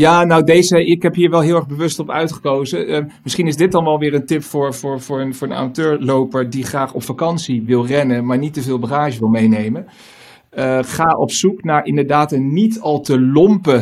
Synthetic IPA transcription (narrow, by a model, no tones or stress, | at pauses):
jaːnawdejzəɪkɦɛpɦiːɹʋɛlˠɦɪːlˠɛɹχbəʋɵstɔpœ̰ɥtχə̥kowzəmɪsχinɪzdɪt̚dɑnʋɛlˠʋɪːɹəntɪpfʊːɹvʊːɹvʊːɹənvʊːɹəna̰ːmatøːɹlowpəɹdiχraːχɔ̰pfakɑnsiʋɪlˠrɛnəmaːɹnitəvɪːlˠbəχaːʒəʋɪlˠmejnejmə | əχaːʔɔpsuknaːɹʔɪndəɹdaːtənːitɑlˠtəlɔmpə